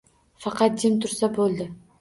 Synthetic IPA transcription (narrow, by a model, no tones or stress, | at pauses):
fɑqʰɑt̪̚d͡ʒɪmt̪ʰʊɾsabolˠd̪ɪ